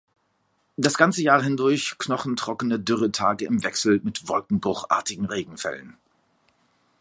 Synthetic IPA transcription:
d̥asɡ̥ant͡səjaːɐɦɪndʊɐçknɔχn̩tʁ̥ɔkənədʏʁətʰaːɡəɪmvɛksl̩mɪtv̥ɔlkŋ̩bʁʊχʔa̰ːɐtɪɡŋ̩ʁeːɡŋ̩fɛ̰lə̰n

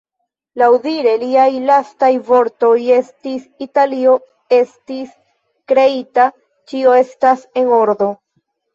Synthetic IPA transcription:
lawdiɾe̞liajlastajvo̞ɾto̞je̞stisitalio̞ | e̞stis | kɾe̞ita | t͡ʃio̞e̞stase̞no̞ɾdo̞

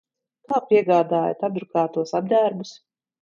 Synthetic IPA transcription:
lˠaːpiɛɡaːd̪aːja̰t̪abd̪ɾukaːt̪uɔsab̚d̪æːɾbus

